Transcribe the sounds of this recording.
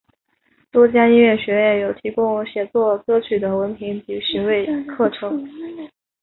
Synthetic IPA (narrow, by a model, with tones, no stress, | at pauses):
t̪wɔ˥t͡ɕja˥i˥nɥɛ˥˩nɕɥɛ˧˥jɛ˥˩jo˨˩ʊt̪ʰi˧˥kʊ˥ŋɕjɛ˨˩t͡swɔ˥˩kɤ˥t͡ɕʰy˨˩d̪ə˦wə˧˥npʰi˧˥ŋt͡ɕi˧˥ɕi˧˥ŋwe˥˧ɪkʰɤ˥˩ʈ͡ʂʰɤ˧˥ŋ